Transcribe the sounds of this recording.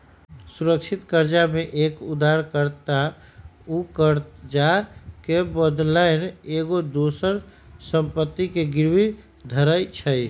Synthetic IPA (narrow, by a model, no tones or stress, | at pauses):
suɾək̚t͡ʃʰit̪kəɾd͡ʒameʔekud̪ʱːaɾkəɾt̪a | ukəɾd͡ʒakebəd̪laɪneɡod̪osəɾ | səmpət̪ːikeɡɪɾwi | d̪ʱəɾəjt͡ʃʰəj